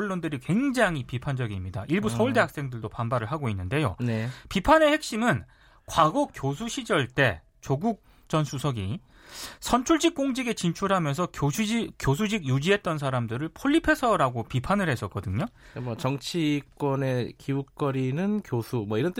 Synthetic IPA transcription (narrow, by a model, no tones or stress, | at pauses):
ɭːondɯɾikwe̞ŋd͡ʑaŋɦipipʰand͡ʑʌɡimɲida̰ʔiɭbusʰʌuɭde̞ɦak̚s͈e̞ŋdɯɭdopambaɾɯɭɦaɡoinːɯnde̞jo̰nepipʰane̞he̞k̚ɕ͈imɯn | kwaɡʌkjosʰuɕʰid͡ʑʌɭt͈e̞ | t͡ɕoɡuk̚ | t͡ɕʌnsʰusʰʌɡḭ | sʰʌnt͡ɕʰuɭd͡ʑik͈oŋd͡ʑiɡe̞t͡ɕint͡ɕʰuɭɦamjʌnsʰʌkjos̬ʰud͡ʑiɡjud͡ʑiɦe̞t̚t͈ʌns̬ʰaɾamdɯɾɯɭpʰoʎːipʰe̞sʰʌɾaɡopipʰanɯɾɦe̞s͈ʌk͈ʌdɯɲomʌt͡ɕʌŋt͡ɕʰik͈wʌne̞kiuk̚k͈ʌɾinɯnkjosʰumʌiɾʌnt